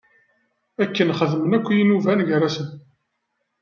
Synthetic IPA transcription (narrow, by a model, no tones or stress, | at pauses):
ækːənχəðmənækʷːjinuvænʝɾæsən